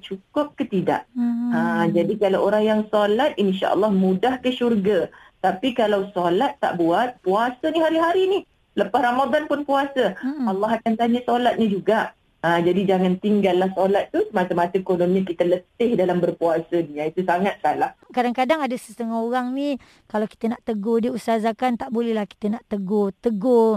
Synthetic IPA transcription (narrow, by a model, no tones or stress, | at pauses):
t͡ʃukʊp̚kət̪ida̰ʔəd͡ʒadikalawʔoɾaŋjaŋsolat̪̚inʃa̰ʔə̰lˠːɑhmudahkəʃurɡat̪apikalawsolat̪ːa̰ʔbuat̪̚puasaniɦaɾiɦaɾinih | ləpasramadanpʊnpuasəɑlˠːɑɦakant̪aɲasolat̪̚ɲad͡ʒuɡaʔ | ad͡ʒadid͡ʒaŋãnt̪iŋɡalːahsolat̪ːusəmat̪əmat̪əekonõmikit̪ələt̪ɪhdalambərpuasənĩait̪usaŋat̪̚salahkadaŋkadaŋadəsə̥st̪əŋaɦoɾaŋnĩ | kalawki̥t̪ənaʔt̪əɡodiusazakant̪aʔbolɛhlahki̥t̪ənaʔt̪əɡot̪əɡo